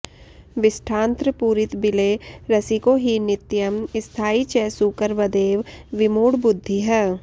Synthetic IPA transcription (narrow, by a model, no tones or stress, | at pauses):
ʋɪsʈʰãːnt̪ɾəpuːɾɪt̪bɪleɾɐsikoɦinɪt̪jəmɪst̪ʰaːit͡ʃɛːsuːkəɾʋɐd̪eːʋʋɪmoːɽbʊd̪ʱːiɦɛː